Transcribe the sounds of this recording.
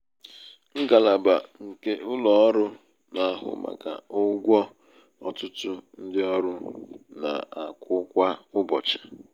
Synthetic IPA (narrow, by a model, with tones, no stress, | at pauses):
ŋ̩˦ɡa˨la˨ba˨ŋ̩˨ke˦ʔʊ˦lɔ˨ɔ˦ɾʊ˦ | na˨a˦ɦʊ̰˦ma̰˨ɡa̰˨ʊ˦ɡʷɔ˦ | ɔ˨tʊ˦tʊ˦n̩˦dɪ˦ɔ˦ɾʊ˦na̰˨a˨kʷʊ˦kʷa˦ʊ˦bɔ̰˨t͡ʃḁ˨